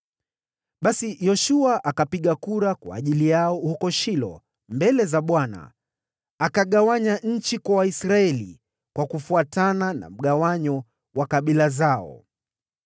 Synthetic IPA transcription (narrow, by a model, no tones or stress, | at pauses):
ɓasijɔʃuaʔakapiɠakuɾakwa̰ːʄilijaɔhukɔʃilɔ̰ | mbɛlɛzaɓwana̰ː | kaɠawaɲaɲ̩t͡ʃikwawaisɾaɛlḭ | kwakufuatanana̰m̩ɠawaɲɔ | wakaɓilazaɔ̰